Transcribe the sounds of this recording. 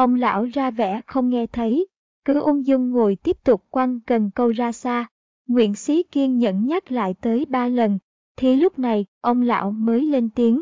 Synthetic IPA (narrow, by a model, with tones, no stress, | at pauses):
ʔə˧wŋ͡mla̰ː˧˥wzaː˧vɛ̰˧˥xə˧wŋ͡mŋɛ˧t̪ʰə˨˦j | kɨ˨˦ʔʊ˧ŋ͡mzʊ˧ŋ͡mŋo˨˩jt̪i˦˥əp̚t̪ʊ˨˩k͡p̚kwa˧nkə˨˩nkə˧wzaː˧saː˧ | ŋwḭ˧˨ənsi˨˦ki˧əŋɲə̰˧˥˨nɲa˦˥k̚la̰ː˧˨jt̪əː˨˦jɓaː˧lə˨˩n | t̪ʰi˨˩lʊ˦˥k͡p̚na˨˩jʔə˧wŋ͡mla̰ː˧˨wməː˨˦jle˧nt̪i˨˦əŋ